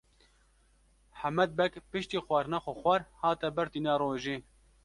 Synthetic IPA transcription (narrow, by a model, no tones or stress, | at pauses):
ħamɛd̪̚bɛkpɨʃt̪iːxwɑɾnaxʷoxʷɑɾhɑːt̪ɛbɨɾt̪iːnɑɾoːʒeː